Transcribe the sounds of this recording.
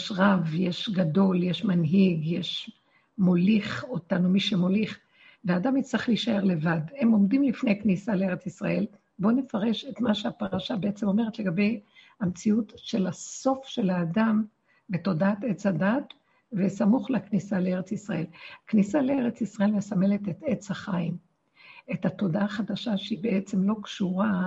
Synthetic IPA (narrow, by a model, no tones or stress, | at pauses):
jeʃʁavjeʃɡado̞ljeʃmanɦiɡjeʃ | mo̞liχotanumiʃemo̞liχ | veaːdamit͡sʁiχliʃae̞ʁle̞vadhe̞mo̞mdimlifne̞jaknisalee̞et͡sisʁa̰e̞l | bone̞faʁe̞ʃetmaʃeapaʁaʃabeet͡semo̞meʁet̪leɡabe̞jhamt͡siutʃe̞laso̞fʃe̞laːdam | beto̞daat̪e̞t͡shadat̪ | vesamuχleaknisalee̞ʁet͡sisʁae̞laknisalee̞ʁet͡sisʁae̞lmesame̞let̪et̪e̞t͡shaχaim | e̞tat̪o̞daaχad̪aʃaʃeibeʔet͡se̞mlo̞kʃuʁa